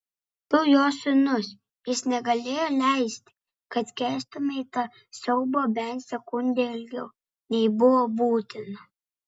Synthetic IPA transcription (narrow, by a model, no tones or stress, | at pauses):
p̪ʊjoːsʲʊnʊs | jɪsnʲɛɡɐlʲeːjoːlʲɛˑɪsʲt̪ʲɪ̥ | kɐt̪kʲɛːst̪ʊmʲɛɪt̪ɑ | sʲɛʊboːbʲɛnt̪sʲɛkʊnʲd̪ʲeɪlʲɡʲɛʊ | nʲɛɪbʊʋobuːt̪ʲɪnɐ